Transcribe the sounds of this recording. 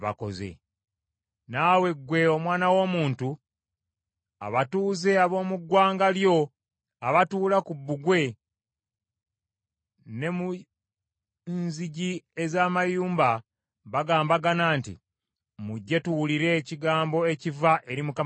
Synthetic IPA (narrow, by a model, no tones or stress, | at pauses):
βa̰ko̞̰zḛ | naːwe̞ɡwe̞o̞mwaːnawo̞ːmuːntu | a̰βatuːze̞aβo̞ːmuɡwaːŋɡaljo̞ | aβatuːlakubːuɡwe̞ | ne̞mu | nziɟiezaːmajuːmba | βaɡaːmbaɡanaːntḭ | muɟːe̞tuwuliɾe̞ciɡaːmbo̞e̞civaʔe̞ɾimuka